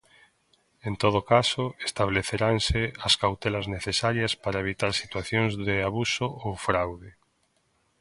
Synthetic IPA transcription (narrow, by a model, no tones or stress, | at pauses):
ent̪oð̞okasoest̪aβleθeɾanseaskawt̪elazneθesaɾjɐspaɾaeβ̞it̪aɾsit̪waθjoŋzðeaβusoowfɾawðe